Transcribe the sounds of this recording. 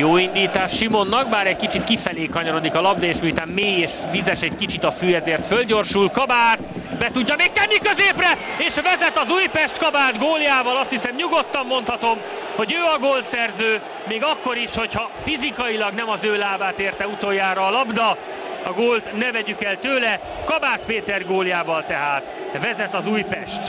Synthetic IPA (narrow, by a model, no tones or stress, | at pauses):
joːind̪iːt̪aːʃʃimo̞nːɒɡ̚baːɾɛɟkit͡ʃit̪kifɛleːkɒɲɒɾo̞d̪ikɒlɒbd̪ɒeːʃmiut̪aːmmeːjeːʃvizɛʃɛɟkit͡ʃit̪ɒfyːɛzeːrt̪følɟo̞rʃulkɒbaːt̪bɛt̪uɟːɒmeːk̚t̪ɛnːikøzeːprɛeːʃvɛzɛt̪ɒzujpɛʃt̪kɒbaːd̪ɡoːlijaːvɒlɒst̪hisɛmɲuɡo̞t̪ːɒmːo̞nt̪hɒt̪o̞m | ho̞ɟøːɒɡoːlsɛrzøː | meːɡɒkːo̞ɾiʃho̞chɒfizikɒjilɒɡnɛmɒzøːlaːvaːt̪eːrt̪ɛut̪ojːaːɾɒːlɒbd̪ɒ | ɒɡoːlt̪nɛvɛɟykɛlt̪øːlɛ | kɒbaːt̪peːt̪ɛrɡoːljaːvɒlt̪ɛɦaːt̪ | vɛzɛt̪ɒzuːjpɛʃt̪